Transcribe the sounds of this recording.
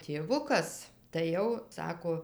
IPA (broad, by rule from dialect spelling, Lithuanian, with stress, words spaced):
tʲeːˈʋʊkɐs tɐɪ ˈjɛʊ ˈsɑːkoː